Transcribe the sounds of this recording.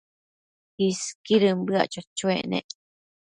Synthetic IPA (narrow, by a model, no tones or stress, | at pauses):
kiskiɾɨmbɨa̰t͡ʃot͡ʃwenḛʔ